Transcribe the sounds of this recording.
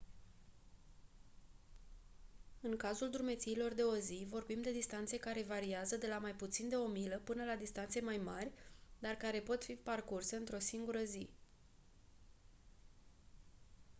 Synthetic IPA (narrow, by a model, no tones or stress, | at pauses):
ɨŋkazuld̪ɾumet̪siːlo̞rd̪e̞o̞zivo̞rbimd̪e̞d̪ist̪ant̪se̞kaɾe̞vaɾiazəd̪e̞lamajput̪sind̪e̞o̞miləpɨnəlad̪ist̪ant̪se̞majmarʲd̪arkaɾe̞po̞t̪fiparkurse̞ɨnt̪ɾo̞siŋɡuɾəzi